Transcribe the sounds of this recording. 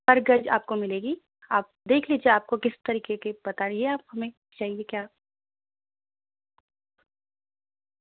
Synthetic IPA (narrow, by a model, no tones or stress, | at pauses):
pɐɾɡɐd͡ʒa̰ːp̚komɪleːɡi | aːp̚d̪eːkʰliːd͡ʒieaːp̚kokɪst̪ɐɾiːkekeb̥ɐt̪aɾieaːphɦɐmẽ | t͡ʃaːɦiekjaː